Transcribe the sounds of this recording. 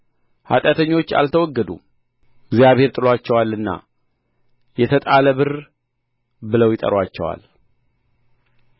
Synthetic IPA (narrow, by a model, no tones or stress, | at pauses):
ha̰t̪ʼat̪ʰəɲːo̞t͡ʃːa̰lt̪ʰəwɔɡːəd̪ṵ | ɪɡzjaβhe̞ɾt̪ʼɨlwat͡ʃːɛwalːɨnːa̰ | jɛt̪ʰət̪ʼaləβɨr | bɨləwjɪt̪ʼə̰ɾwat͡ʃːɛ̰wa̰l